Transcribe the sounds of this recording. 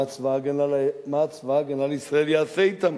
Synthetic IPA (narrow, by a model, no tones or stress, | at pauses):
t͡svaɡenalmat͡svaɡenalisʁaeljaːθejt̪am